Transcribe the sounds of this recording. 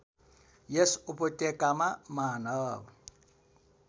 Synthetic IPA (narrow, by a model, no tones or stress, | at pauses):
jesʊ̥ʊpʊtʼɛkʼamamanɔːβɔ